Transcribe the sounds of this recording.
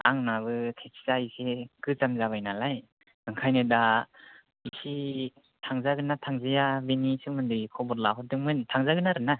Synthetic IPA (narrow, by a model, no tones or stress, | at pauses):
a̰ŋnaβɯtʰekszaisekɯzamzaβajnalaj | ɯŋkʰajnɯda | isi | tʰaŋzaɡɯnatʰaŋzijabenisɯmɯndɯkʰɔbɔɾlaɦɔdɯŋmɯntʰaŋzaɡɯnaɾɯna